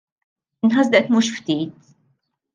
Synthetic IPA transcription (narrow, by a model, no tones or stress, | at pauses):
ɪnħɐzd̪ɛʔt̪muːʃft̪iːt̪